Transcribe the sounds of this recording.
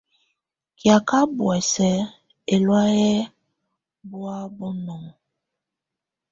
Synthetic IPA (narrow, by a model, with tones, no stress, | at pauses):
kja˨ka˦bwɛ˨sɛ˨ | e˨lwa˦jɛ˦ | bu˦a˦bɔ˦nɔ˨ŋ